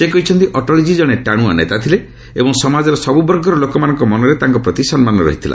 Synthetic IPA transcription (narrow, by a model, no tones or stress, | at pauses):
sekɔit͡ʃʰɔnt̪iʔɔʈɔlid͡ʒid͡ʒɔɽ̃eʈaɽ̃uanet̪at̪ʰile | ebɔŋsɔmad͡ʒɔɾɔsɔbubɔɾɡɔɾɔlokɔmanɔ̃ŋkɔmɔnɔɾet̪aŋkɔpɾɔt̪isɔnmanɔɾɔ̰ɦit̪ʰilʔa̰